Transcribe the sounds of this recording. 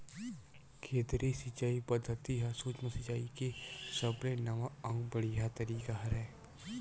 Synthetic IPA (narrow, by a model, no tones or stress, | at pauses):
kʰeːt̪ɾisɪt͡ʃaːipɐd̪ʱːət̪iɦɐsuːt͡ʃməsɪt͡ʃaːikesɐbnenɐʋaɐ̃ŋɡbəɽijat̪ɐɾiːkaɦɐɾɛː